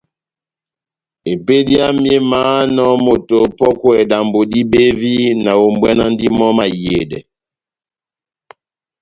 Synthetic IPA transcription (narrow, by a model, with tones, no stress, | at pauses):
e˨pe˦di˦a˦m˦e˦maː˦nɔ˦mo˨to˨pɔ˦kwɛ˨da˨mbo˨di˦be˦vi˦na˨o˨mbwɛ˦na˦ndi˦mɔ˦ma˨je˨dɛ̰˨